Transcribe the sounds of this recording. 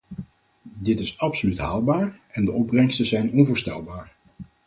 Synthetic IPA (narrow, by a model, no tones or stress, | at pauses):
dɪtɪsɑpsolytɦa̰ːlˠbaːɹɛndəʔɔb̚rɛŋstəzɛjnɔnvʊːɹstɛ̰lˠbaːɹ